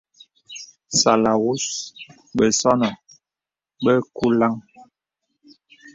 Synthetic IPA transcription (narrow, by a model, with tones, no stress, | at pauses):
sa˨la˨wu˦s | ɓə˨sɔ˦nɔ˨ | ɓə˦ku˦la˦ŋ